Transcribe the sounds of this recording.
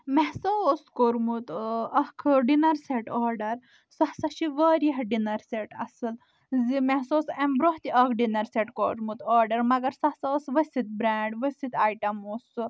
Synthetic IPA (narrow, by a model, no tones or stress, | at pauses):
mɛɦsoskoɾmut̪ɐkʰɖinɐɾseʈɔɾɖɐɾ | sɐhsɐʃiʋəɾiɦɖinɐɾseʈɐ̰sɨl | zimɛɦsosembɾoɦt̪iʔɐkʰɖinɐɾseʈkoɾmut̪ɔɾɖɐɾmɐɡɐɾsɐɦsasʋɐsʲit̪̚bɾaɳɖʋɐsit̪aːjʈɐmos